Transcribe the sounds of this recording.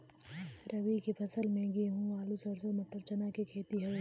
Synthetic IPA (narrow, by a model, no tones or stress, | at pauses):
ɾʔɐʋikipʰɐsəlmẽɡiːɦũaːlusəɾsomɐt̪ːəɾt͡ʃənakikʰeːt̪iɦɐ